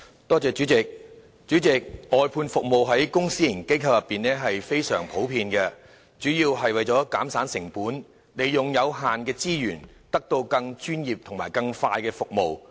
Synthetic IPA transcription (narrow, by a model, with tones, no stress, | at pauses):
t̪ɔː˥t͡sɛː˧t͡ʃyː˨˥t͡sɪ˨k̚ | t͡ʃy˨˥t͡sɪ˨k̚ɔː˨jpʰuː˧nfʊ˨k̚mo˨wɦɐ˨˥jkʊ˥ŋsiː˥jɐ˨˩nke˥jkʰɐ˧wjɐ˨˩pːiː˨nɛː˥ɦɐ˨jfe˥jsœː˨˩ŋpʰo˨˥wpʰiː˧nkɛ˧ | t͡ʃyː˨˥jiː˧wɦɐ˨jwɐ˨jt͡sɔː˨˥kaː˨˥msaː˨˥nsɪ˨˩ŋpuː˨˥n | le˨jjʊ˨ŋjɐ˨˧wɦaː˨nkɛː˧t͡siː˥jyː˨˩nt̪ɐ˥k̚t̪o˧wkɐ˧ŋt͡ʃyː˥njiː˨p̚t̪ʰʊ˨˩ŋmaː˨˩jkɐ˧ŋfaː˧jkɛː˧fʊ˨k̚mo˨w